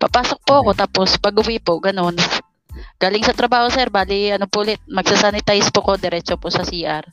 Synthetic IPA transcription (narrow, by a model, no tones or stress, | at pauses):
pɐpaːsok̚pʊʔɐko̞t̪aːpospɐɡʊwɪpoʔɡɐno̞n | ɡ̥aːlɪŋsɐt̪ɾɐbaːho̞sɛɾbaːlɪɐnopʊʔlɪt̪̚mɐɡsasanɪt̪ajspoʔɐkod̪ɛɾɛt͡ʃoposɐsiːʔɐɾ